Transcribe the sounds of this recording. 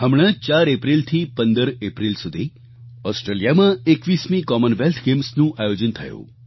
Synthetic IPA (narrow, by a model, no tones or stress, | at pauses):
ɦəmɭ̃ət͡ʃaɾepɾilt̪ʰipənd̪əɾepɾilsud̪ʱi | ɔsʈɾelijamãekʋismĩkɔmənʋelt̪ʰɡemsnũʔajod͡ʒənt̪ʰəjṵ̃